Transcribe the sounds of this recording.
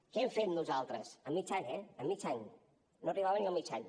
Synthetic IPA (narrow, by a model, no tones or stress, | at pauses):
keɛmfet̪nuzalˠt̪ɾəsəmːit͡ʃaɲɛəmːit͡ʃaɲ | noriβaβəniəmit͡ʃaɲ